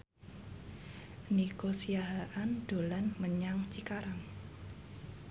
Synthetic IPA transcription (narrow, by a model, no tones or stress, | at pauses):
nikosijaɦaʔanɖ̪̥o̤lanməɲaŋt͡ʃikaɾaŋ